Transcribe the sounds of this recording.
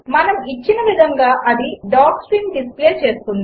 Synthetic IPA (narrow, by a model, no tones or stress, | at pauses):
mɐnɐmit͡ʃːinɐʋid̪ʱɐŋɡaːʔɐd̪iɖaːksɾinɖispleːt͡ʃe̞ːst̪und̪i